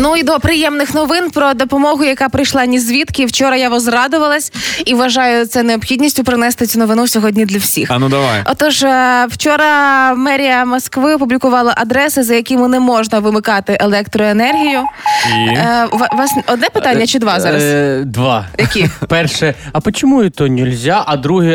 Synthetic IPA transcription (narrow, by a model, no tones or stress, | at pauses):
nuid̪ɔpɾɪjɛmnɪxnɔʋɪnpɾɔd̪ɔpɔmɔɦʊjɐkɑpɾɪjʃlˠɑnʲizʲʋʲit̪kɪwt͡ʃɔɾɐjaʋɔzrɑd̪ʊʋɐlˠɐsʲiʋʋɐʒɑjʊt̪sɛneɔpxʲidʲnʲisʲtʲʊpɾɪnɛst̪ɪt͡sʲunɔʋɪnusʲɔɦɔdʲnʲid̪lʲɐwsʲixɐnud̪ɐʋa̰ɔt̪ɔʒwt͡ʃɔɾɐmɛɾʲijɐmɔskʋɪɔpublʲikʊʋɑlˠɐʔɐd̪ɾɛsɪzɐjɐkʲɪmʊnɛmɔʒnɐʋɪmɪkɑt̪ɪʔelˠɛkt̪ɾɔenɛrɦʲijʊ | ʋʋɑsɔd̪nɛpɪt̪ɑnʲːɐt͡ʃɪd̪ʋɑzɑɾɐsd̪ʋɑj̪ɐkʲipɛrʃɛɐpɔt͡ʃomuit̪ɔnʲɛlʲzʲaʔɐd̪ɾuɦɛ